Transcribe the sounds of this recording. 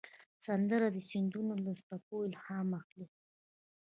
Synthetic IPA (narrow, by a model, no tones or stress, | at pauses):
sand̪əɾad̪əsind̪unolast̪apojlhamaxli